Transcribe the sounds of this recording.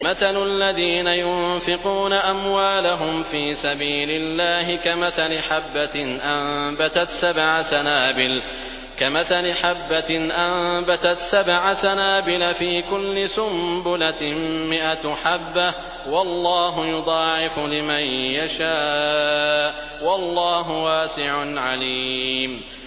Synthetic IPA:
maθalʊlːaðiːnajʊnfɪquːnaʔamwaːlaɦʊmfiːsabiːlɪlːaːɦɪkamaθalɪħabːanʔambat̪at̪sabʕasanaːbɪl | kamaθalɪħabːanʔambat̪at̪sabʕasanaːbɪlafiːkʊlːɪsʊmbʊlammɪʔat̪ħabːa | wɑlːɑːɦʊjʊd̪ˤɑːʕɪfʊlɪmanjaʃaː | ʔ | wɑlˤːɑːɦʊwaːsɪʕʊnʕaliːm

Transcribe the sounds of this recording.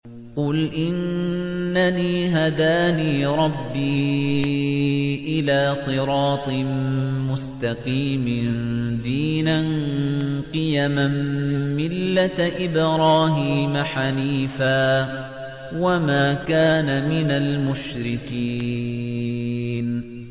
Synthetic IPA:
qʊlʔɪnː | aniːɦad̪aːniːɾˤɑbːiː | ʔɪlaːsˤɨɾˤɑːt̪ˤmmʊst̪aqiːmɪnd̪iːnan | qɨjamamːɪlːat̪ʔɪbɾɑːɦiːmaħaniːfaː | wamaːkaːnamɪnalmʊʃɾɪkiː | n

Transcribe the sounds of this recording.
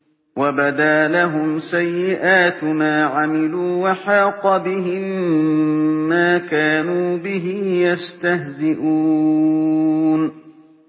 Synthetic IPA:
wabad̪aːlaɦʊmsajːɪʔaːt̪maːʕamɪluːwaħɑːqɑbɪɦɪm | aːkaːnuːbɪɦɪjast̪aɦzɪʔuː | n

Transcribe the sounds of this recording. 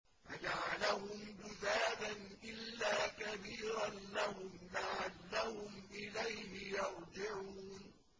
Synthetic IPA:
fad͡ʒaʕalahʊmbʊðaːdanʔɪlːaːkabiːɾanlahʊmlaʕanːahʊmʔɪlajhɪjɑɾˤd͡ʒɪʕuuːn

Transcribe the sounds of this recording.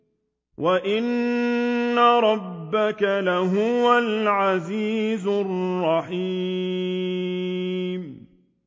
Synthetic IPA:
wʔaʔɪnː | aɾˤɑbːakalaɦʊwalʕaziːzʊrːɑħi | m

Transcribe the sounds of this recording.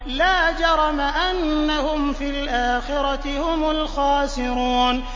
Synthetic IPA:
laːd͡ʒɑɾˤɑmaʔanːahʊmfiːlʔaːxɪɾˤɑt̪ɪhʊmʊlxɑːsɪɾuːn

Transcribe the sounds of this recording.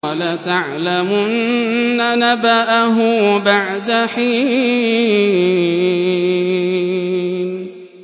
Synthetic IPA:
alat̪aʕlamʊʔannnːanabaʔaɦʊbaʕd̪aħiː | n

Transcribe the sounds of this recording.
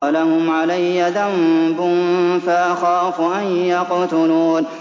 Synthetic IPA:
lahʊmʕalajːaðambʊnfaʔaxɑːfʊʔanjɑqt̪ʊluːn

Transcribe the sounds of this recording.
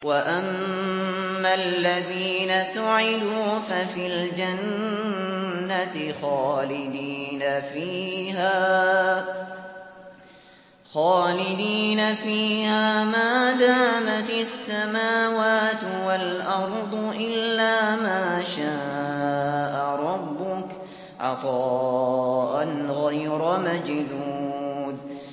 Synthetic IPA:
waʔamː | alːaðiːnasʊʕɪd̪uːfafiːld͡ʒan | at̪ɪxaːlɪd̪iːnafiːɦaː | xaːlɪd̪iːnafiːhaːmaːd̪aːmat̪asːamaːwaːt̪ | walʔɑɾˤd̪ˤʊʔɪlːaːmaːʃaː | ʔaɾˤɑbːʊk | ʕɑ̰t̪ˤɑː | ʔanɣajɾamad͡ʒd̪uːð

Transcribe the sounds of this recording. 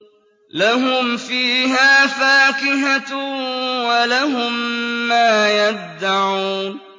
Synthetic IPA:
laɦʊmfiːɦaːfaːkɪɦa | walaɦʊmːaːjad̪ːaʕuːn

